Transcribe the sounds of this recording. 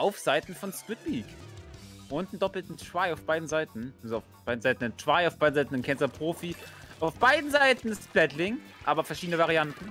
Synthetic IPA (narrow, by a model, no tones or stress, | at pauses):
ʔaʊfz̥aɪtn̩fɔnskwɪtliːk | ʔʊntn̩dɔpl̩tn̩tv̥aɪaʊfb̥aɪdn̩zaɪtn̩ʔalzoaʊfb̥aɪdn̩zaɪtn̩ɪntv̥aɪaʊfb̥aɪdnzaɪtn̩ɪnkʰɛnzɐpʁ̥oːfiʔaʊfb̥aɪdn̩zaɪtn̩ɪssb̥lɛtlɪŋ | ʔa̰ːbɐfɛɐʃiːdənəvaʁiantn̩